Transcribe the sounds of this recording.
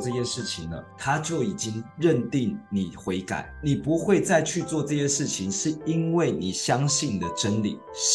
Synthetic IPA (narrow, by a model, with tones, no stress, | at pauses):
ʈ͡ʂɤ˥˧ɕjɛ˥˧ʂɻ̩˥˩t͡ɕʰi˨ŋnə̰˦t̪ʰa˥t͡ɕjo˥˩ʊi˨˩t͡ɕi˦˥ŋɻə˥˨nt̪i˥˩ŋni˨˩xwe˧˥ɪka̰˨˩˦ɪni˨˩pu˧˦˥xwe˥˧ɪt͡sa˥˧ɪt͡ɕʰy˥˧t͡swɔ˥˧ʈ͡ʂɤ˥˧ɕjɛ˥ʂɻ̩˥˩t͡ɕʰi˨˦ŋʂɻ̩˥˩i˦˥nwe˥˩ɪni˨˩ɕjɑ˦˥ŋɕi˥˩nd̪ə˩ʈ͡ʂə˦˥nlḭ˨˩˦